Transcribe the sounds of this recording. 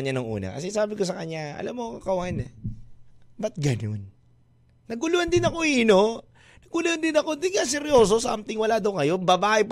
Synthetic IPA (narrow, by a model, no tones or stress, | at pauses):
ɲanɐŋʔṵːnɐ̰kɐ̰sɛsaːbɪkos̬ɐkɐɲːaʔɐ̰lamːoŋɐkɐwhanɛ | bɐt̪̚ɡɐnonː | ɐɡʊluɐnd̪ɪnɐko̞iːno | nɐɡʊluɐnd̪ɪnɐko̞d̪ɪŋkasɛɾjoːs̬o̞s̬aʔɐmt̪ɪŋwɐlad̪ɐwkɐjo̞nbɐbaːʔɪp